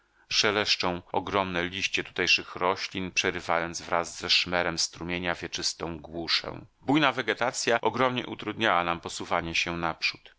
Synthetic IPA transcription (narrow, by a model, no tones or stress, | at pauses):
ʂɛlɛʂt͡ʂɔ̃w̃ɔɡɾɔmnɛlʲiɕt͡ɕɛt̪u̥t̪ɛjʂɘxɾɔɕlʲinpʂɛɾɘvajɔnd̪zvɾazːɛʂmɛɾɛmst̪ɾumʲjeɲavʲjɛt͡ʂɘst̪ɔ̃w̃ɡwuʂɛ̰̃w̃bujnavɛɡɛt̪at̪sʲjaʔɔɡɾɔmɲɛ̰ʔut̪ɾud̪ɲawanampɔsuvaɲɛɕɛnapʂu̥t̪